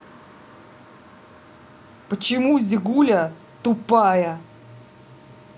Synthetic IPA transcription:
pət͡ɕɪmuzʲɪɡulʲə | t̪ʊpajə

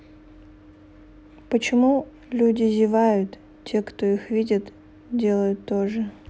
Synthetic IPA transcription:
pət͡ɕɪmu | lʲudʲɪzʲɪvajʊt̪ | tʲːe̞kt̪oixvʲidʲɪt̪ | dʲe̞lˠəjʊt̪ːoʐɨ

